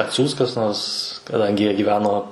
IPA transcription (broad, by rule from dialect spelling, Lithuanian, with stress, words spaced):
ɐtʲˈsʲuːs kɐs ˈnoːrs kɐˈdɐŋʲɡʲɪ ˈjiɛ ɡʲiːˈʋʲæːnoː